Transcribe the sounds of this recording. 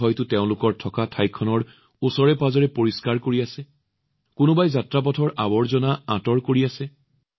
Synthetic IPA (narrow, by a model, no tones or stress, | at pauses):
ɔjtʊteʊ̃lʊkɔɹtʰɔkatʰajkʰːɔnɔɹ | usɔɹɛpazɔɹɛpoɹiskaɹkoɹiasɛ | kʊnʊbajzatɹap̬ɔtʰɔɹʔabɔɹzɔnaãtɔɹkoɹiasɛ